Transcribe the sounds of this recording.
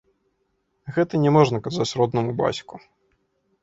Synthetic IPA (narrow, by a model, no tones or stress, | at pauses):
ɣɛt̪ɐnʲɛmɔʐnɐkazat͡sʲɾɔd̪nɐmuba̰sʲku